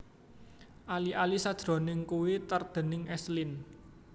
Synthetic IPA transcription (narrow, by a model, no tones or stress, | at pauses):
ʔaliʔalisad̥ʒ̥ɾo̤nɪŋkuwit̪ərd̪̥ə̤nɪŋʔɛslɪn